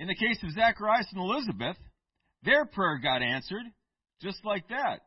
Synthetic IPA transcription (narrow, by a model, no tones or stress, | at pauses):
ɨ̃nðɨkʰeɪsʌvzækə˞aɪsn̩əlɪzɨbɨθ | ðə˞pʰɹ̥ɛɹɡɑɾæ̃nsə˞d̚ | d͡ʒʌstˡlaɪk̚ðæt̚